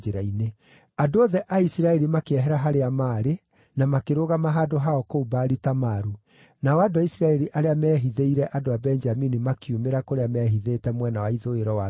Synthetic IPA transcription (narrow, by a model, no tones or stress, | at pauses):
d͡ʒeɾaine | adooðɛʔaisiɾaɛɾimakeɛɦɛɾaɦaɾeamaːɾe | namakeɾoɣamaɦadoɦaɔkoubaːɾitamaɾu | naɔadoaisɾaɛɾiʔaɾeamɛːɦiðeiɾɛʔadoabɛnd͡ʒaminimakʰiumeɾakoɾeamɛːɦiðeːtɛmwɛnawaiðoeɾɔwa